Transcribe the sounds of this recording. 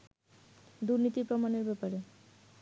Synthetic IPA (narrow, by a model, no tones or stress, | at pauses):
d̪uɾnit̪ipɾomaneɾbɛpaɾe